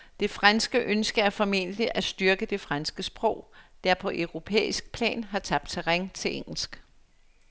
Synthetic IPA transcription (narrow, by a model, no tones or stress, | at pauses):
d̥e̝fʁansɡ̥əʔønsɡ̥ɐæɐfɒ̽me̝̰̥liʔæsd̥yɐɡ̥əd̥e̝fʁansɡ̥əsb̥ʁɔ̽ʊ̰d̥æɐpʰɒ̽ʔœʊʁo̝pʰḛːisɡ̥̚pʰlɛ̰ːnɦɑ̈t͡sʰɑ̈b̥̚d̥̚t͡sʰeʁeŋt͡sʰe̝lʔeŋ̰l̩sɡ̥